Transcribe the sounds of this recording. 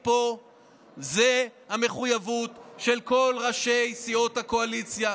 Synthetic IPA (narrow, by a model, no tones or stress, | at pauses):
po̞ | zehame̞χujavut̪ʃe̞lko̞lʁaʃejsio̞t̪hako̞alit͡sja